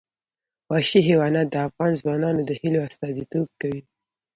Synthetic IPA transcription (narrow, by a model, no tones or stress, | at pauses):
wɑʃiɦewɑnat̪̚d̪əafɣɑnzwɑnɑnod̪əhiloast̪ɑzit̪ob̚kawi